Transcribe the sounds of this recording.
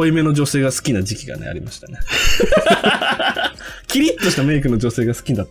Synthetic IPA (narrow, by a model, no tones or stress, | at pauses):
oime̞no̞d͡ʑo̞se̞ːɡasɨ̥kʲinad͡ʑikʲiɡa̰ne̞̰a̰ɾʲimaɕi̥t̪ane | kʲiɾʲit̪ːoɕi̥t̪ame̞ik̬ɯ̟no̞d͡ʑo̞se̞ːɡasɨ̥kʲinat̪ː